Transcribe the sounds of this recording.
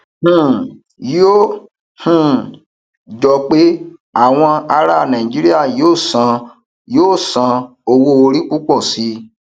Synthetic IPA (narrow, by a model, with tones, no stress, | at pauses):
h̩˦˨ | jo˦ | hũ˦˨ | d͡ʒɔ˧k͡pe˦a˦˨w̃ɔ̃˧a˧ɾa˦˨nã˨ĩ˨d͡ʒi˦ɾi˦a˦˨joː˦˨sã˧ | joː˦˨sã˨˧ | o˧wo˧o˧ɾi˦k͡pu˦k͡pɔ˦˨si˨˦